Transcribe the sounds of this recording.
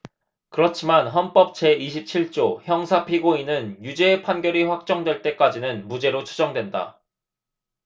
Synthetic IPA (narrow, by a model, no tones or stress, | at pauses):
kɯɾʌt͡ɕʰimanɦʌnp͈ʌp̚t͡ɕe̞iɕ̬ʰip̚t͡ɕʰiɭt͡ɕ͈oçjʌŋsʰapʰiɡoinɯnjud͡ʑe̞ːpʰanɡjʌɾiɸwak̚t͡ɕ͈ʌŋdwe̞ɭt͈e̞k͈ad͡ʑinɯnmud͡ʑe̞ɾot͡ɕʰud͡ʑʌŋdwenda̰